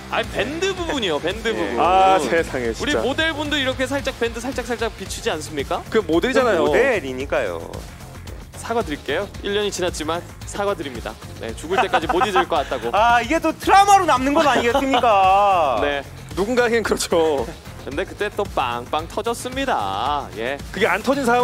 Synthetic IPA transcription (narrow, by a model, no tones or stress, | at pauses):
a̰ɲipe̞ndɯbubuɲijope̞ndɯbubuasʰesʰaŋeiuɾiamodeɭbundoiɾʌkʰe̞s̬ʰaɭt͡ɕ͈ak̚p͈e̞ndɯsʰaɭt͡ɕ͈aksʰaɭt͡ɕ͈ak̚pit͡ɕʰid͡ʑians͈ɯmɲik͈akɯmodɯɾid͡ʑanajoeɾiɲik͈ajo̰ | ḛ | sʰaɡwadɯɾik͈e̞joiʎːʌɲit͡ɕinat͡ɕ͈iman | sʰaɡwadɯɾimɲida̰ | ne̞̰t͡ɕuɡɯɭt͈e̞k͈ad͡ʑimodidɯɭk͈ʌk͈at̚t͈aɡoaiɡe̞t͈otʰɯɾamaɾonamnɯnɡʌnaɲiɡeɯmɲk͈ane | nuɡunɡaeɡenkɯɾʌt͡ɕʰo | kkɯnde̞kɯt͈e̞t͈opa̰ŋp͈aŋtʰʌd͡ʑʌs͈ɯmɲida̰je̞̰kɯɡeantʰʌd͡ʑinsʰaɾa